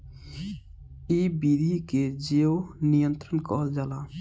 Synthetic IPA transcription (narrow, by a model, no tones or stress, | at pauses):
iːbiːd̪ʱiːked͡ʒeːoːnijənt̪ɾənkɔːld͡ʒaːlaː